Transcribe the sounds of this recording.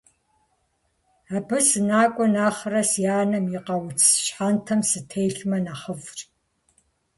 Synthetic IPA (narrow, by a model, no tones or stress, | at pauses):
aːbɨsɨnaːkʷʼɔnaːχrɐsjaːnɐmjɪqɐwt͡sʰɕħaːntʰɐmsɨtʰejɬmɐnaχəvr